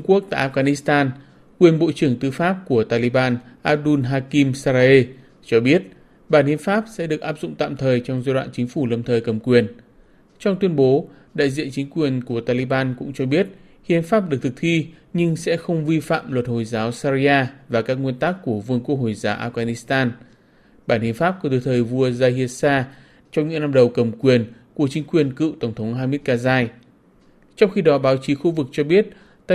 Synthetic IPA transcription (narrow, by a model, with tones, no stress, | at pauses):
ŋ͡mku˦˥ək̚t̪a̰ː˧˨ʔaː˧˥ɣaː˧˩ni˦˥st̪aː˧n | kwi˨˩ənɓo̰˧˨t͡ɕɨ˧˩əŋt̪ɨ˨˦faː˦˥p̚ku˧˩ət̪aː˧li˨˧˦ɓaː˧nʔaː˧˥p̚ɗu˧nɦaː˧ki˧msa˧ʔe˧ | t͡ɕɔ˧ɓi˦˥ət̚ | ɓaː˧˩nhḭ˧˨ənfaː˦˥p̚sɛ̰˧˥ɗɨ˨˩ək̚ʔaː˦˥p̚z̥ʊ̰˧˨ŋ͡mt̪a̰ː˧˨mt̪ʰəː˨˩jt͡ɕɔ˧wŋ͡mzaː˧jɗwa̰ː˧˨nt͡ɕï˨˦ŋ̟fu˧˩lə˨˩m̚t̪ʰəː˨˩jkə˨˩mkwi˨˩ən | t͡ɕɔ˧ŋ͡mt̪wi˧ənɓo˨˦ | ɗa̰ː˧˨jzḭ˧˨ənt͡ɕï˨˦ŋ̟kwi˨˩ənku˧˩ət̪aː˧li˧˦ɓaː˧nkʊ̰˧˥ŋ͡mt͡ɕɔ˧ɓi˦˥ət̚ | hḭ˧˨ənfaː˦˥p̚ɗɨ˨˩k̚t̪ʰɨ˨˩k̚t̪ʰi˧ɲɨ˧ŋsɛ̰˧˥xə˧wŋ͡mvi˧fa̰ː˧˨mlwə˨˩t̚ho˨˩jzaː˨˦wsa˧zi˧aː˧vaː˨˩kaː˦˥k̚ŋwi˧ənt̪aː˦˥kːu˧˩əvɨ˧ənku˧˦˥k̚ho˨˩jzaː˨˦wʔaː˧fɣaː˧ni˨˦˥st̪aː˧n | ɓaː˧˩nhḭ˨ənfaː˦˥p̚kt̪ɨ˧˩t̪ʰəː˨˩jvu˧əzaː˧hi˧ən̚saː˧ | t͡ɕɔ˧ŋ͡mɲɨ̰˧˥ŋna˧mɗə˨˩wkə˨˩mkwi˨˩ənku˧˩ət͡ɕï˨˦ŋ̟kwi˨˩ənkɨ̰˧˨t̪ə˧˩wŋ͡mt̪ʰə˨˦wŋ͡mɦaː˧mi˦˥t̚kaː˧zaː˧j | t͡ɕɔ˧wŋ͡mxi˧ɗɔ˨˦ɓaː˨˦wt͡ɕi˨˦xu˧vɨ˨˩k̚t͡ɕɔ˧ɓi˦˥ət̚ | t̪ː